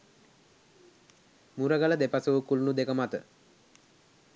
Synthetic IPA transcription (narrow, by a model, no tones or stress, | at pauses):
muɾəɡaləd̪epasuʋəkulunud̪ekəmat̪ə